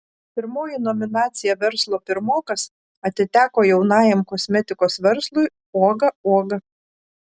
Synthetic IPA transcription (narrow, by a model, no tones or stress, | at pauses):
pʲɪɾmoːjinɔmʲɪnɑːt̪sʲɪjɛʋʲɛɾslˠoːpʲɪɾmoːkɐs | ɐt̪ʲɪt̪ʲæːkoːjɛʊnɑːjɛmkɔsʲmʲɛt̪ʲɪkoːsʋʲɛɾslˠʊɪ | oːɡɐoːɡɐ